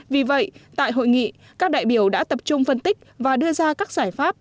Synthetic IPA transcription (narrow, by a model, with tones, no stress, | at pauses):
vi˨˩və̰˧˨jt̪a̰ː˧˨jɦo̰˧˨jŋḭ˧˨ | kaː˦˥k̚ɗa̰ː˧˨jɓi˧˩əwɗa̰ː˧˥t̪ə˨˩p̚t͡ɕʊ˧ŋ͡mfə˧nt̪ï˦˥k̟̚vaː˨˩ɗɨ˧əzaː˧kaː˦˥k̚z̥aː˧˩jfaː˦˥p̚